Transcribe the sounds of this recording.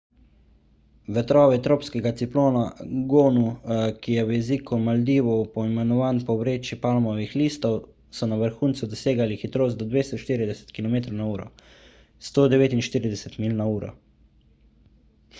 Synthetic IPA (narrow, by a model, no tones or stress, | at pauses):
ʋɛt̪ɾɔːʋɛt̪ɾoːpskɛɡat̪siploːnaɡoːnukijɛwjɛziːkumald̪iːʋɔpɔimɛnɔʋaːnpɔwɾeːt͡ʃipalmɔʋixliːst̪ɔw | sɔnaʋəɾxuːnt̪sud̪ɔseːɡalixit̪ɾoːst̪ɔd̪ʋeːst̪ɔʃt̪iːɾid̪ɛsɛ̥t̪kilɔmeːt̪ɾɔwnauːɾɔ̰ | st̪oːd̪ɛʋeːt̪inʃt̪iːɾid̪ɛsɛt̪miːlnauːɾɔ̰